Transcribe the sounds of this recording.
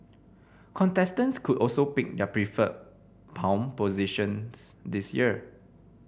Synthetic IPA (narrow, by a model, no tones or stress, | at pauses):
kʰɔ̃ntɛstə̃nskʰutɔlsopik̚dɛəpɹifət̚ | pʰãʊ̃mpoziʃə̃nsdisjḭə